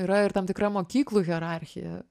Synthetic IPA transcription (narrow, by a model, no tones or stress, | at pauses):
iːɾɐɪɾt̪ɐmt̪ʲɪkɾɐmoːkʲiːklˠuːɣʲɛɾɑˑɾʲxʲɪ̰jɛ̰